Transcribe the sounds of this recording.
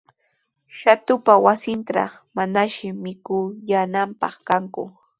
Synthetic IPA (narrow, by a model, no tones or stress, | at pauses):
ʃat̪ʊpawasɪnt̪a̰ | manaʃɪmɪkʊjanampɑ̰χkaŋkʊ̰